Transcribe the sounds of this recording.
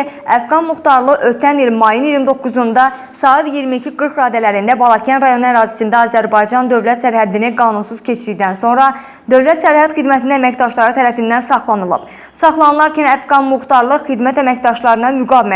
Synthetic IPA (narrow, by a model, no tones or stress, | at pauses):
æfɡɑnmuxt̪ɑɾlˠɯʔøt̪ʰænilmɑjuniɾmid̪o̞kːuzund̪ɑ | sɑːɑt̪ijiɾmicʰiɡɯɾkɾɑːd̪ælæɾind̪æbɑlˠɑcʰænɾɑjo̞næɾɑːzi̥sind̪æɑːzæɾbɑjd͡ʒɑnd̪ø̞vlæt̪sæɾhæd̪iniɡɑːnunsuz̥cʰe̞t͡ʃʰiɾid̪ænso̞nɾɑ | d̪ø̞vlæt̪sæɾhæt̪xid̪mæt̪ʰininæmæcd̪ɑʃlˠɑɾɯt̪ʰæɾæfind̪ænsɑχlˠɑnɯlˠɯ̰b̥ | sɑχlˠɑnɯlˠɑɾcʰinæfɡɑnmuxt̪ɑɾlˠɯxid̪mæt̪æmæcd̪ɑʃlˠɑɾɯnɑmyɡɑːvimæ